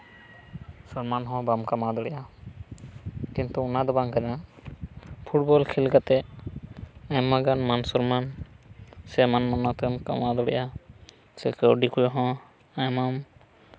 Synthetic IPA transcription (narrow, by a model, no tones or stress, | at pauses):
sɔɾmanɦɔ̃bamkamad̪ɔɽɛja | kint̪uunad̪ɔbaŋkana | pʰuʈ̚bɔlkʰilkat̪ɛ | ajmaɡanmansɔɾman | sɛmanmanɔt̪ɛmka̰mad̪ɔɽɛ̰jʔa | sɛ̰keɔɖikujɔɦɔ̃ | ajmam